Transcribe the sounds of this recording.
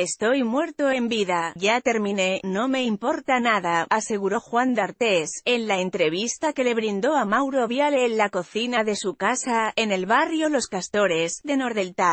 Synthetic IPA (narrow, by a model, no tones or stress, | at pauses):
e̞st̪o̞jmwe̞ɾt̪o̞embiðaʝat̪e̞ɾmĩne̞no̞me̞impo̞ɾt̪anaðaase̞ɣ̞uɾo̞xwand̪aɾt̪e̞se̞nlaent̪ɾe̞β̞ist̪ake̞le̞βɾind̪o̞amawɾo̞βjale̞ːnlako̞θinaðe̞sukasae̞ne̞lβarjo̞lo̞skast̪o̞ɾe̞zðe̞no̞ɾðe̞lt̪a